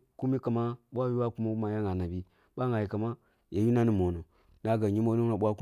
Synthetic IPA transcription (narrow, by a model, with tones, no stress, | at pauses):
ku˦mi˦ka˨ma˦ɓʷa˦ju˦wa˦ku˦ma˦ma˨ja˦ŋa˨na˨bi˦ | ɓʷa˦ŋa˨ji˨ka˨ma˦ | ja˨ju˦na˦ni˨mo˨no˨ | n˦a˦ɡa˨ɲi˦mo˦nu˦a˨ɓʷa˦ku˦